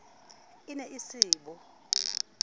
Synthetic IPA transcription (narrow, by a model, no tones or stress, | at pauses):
inɛʔisiːɓɔ